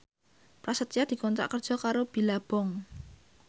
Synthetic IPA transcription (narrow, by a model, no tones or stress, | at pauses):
pɾasət̪ijad̪̥i̤kɔnt̪ɾa̰ʔkərd̥ʒ̥ɔ̤kaɾob̥i̤lab̥ɔŋ